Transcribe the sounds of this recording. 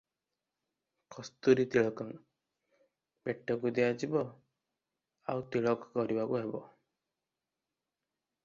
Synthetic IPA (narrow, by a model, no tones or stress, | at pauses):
kɔst̪uɾit̪iɭɔkɔŋ | beʈːɔkud̪ijad͡ʒibɔ | awt̪iɭɔkɔkɔɾibakuɦebɔ